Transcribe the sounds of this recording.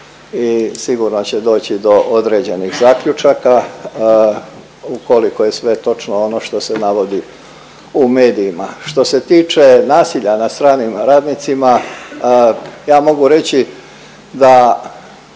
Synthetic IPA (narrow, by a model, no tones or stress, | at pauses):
isiɡuɾno̞t͡ɕe̞d̪o̞ːt͡ɕid̪o̞ʔod̪ɾed͡ʑe̞niɣzaːkʎut͡ʃaka | ukoliko̞je̞sʋe̞t̪o̞t͡ʃnoono̞ʃt̪o̞se̞naʋo̞d̪i | ume̞ːd̪iːmaʃt̪o̞se̞t̪iːt͡ʃe̞naːsiʎanast̪ɾaːnimɾaːd̪nit̪sima | jaːmo̞ɡuɾe̞t͡ɕi | d̪a